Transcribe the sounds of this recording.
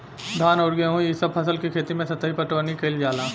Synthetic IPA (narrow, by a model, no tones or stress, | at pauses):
d̪ʱaːnʊɽɡẽɦũjisɐb̚pʰɐsəlkikʰeːt̪imẽsɐt̪əɦipɐʈʋənikɐɪld͡ʒaːlaː